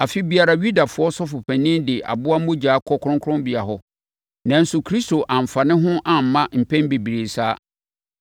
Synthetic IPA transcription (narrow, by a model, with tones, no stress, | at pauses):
a˨fi˦bi˨a˨ɾa˨ɥu˦da˨fʊ˨˦ɔ˦sɔ˦fʊ˨pʰɛ̃˨nɪ̃˦mdɪ˨ʔa̰˨bʊ˦a˦mʊ̃˦d͡ʑaː˨˦kʰɔ˦kʰʊ̃˦ŋkʰʊ̃˦mbɪ˨a˨ɦɔ˦ | nã˨n˦sʊ˨kʰɾi˦sto˨ʔã˨m̩˨fa˨nɪ̃˦ɦʊ̃˦ʔã˨m̩˨˦mã˦m̩˨pʰɛ̃˦nbe˨bi˨ɾe˨saː˦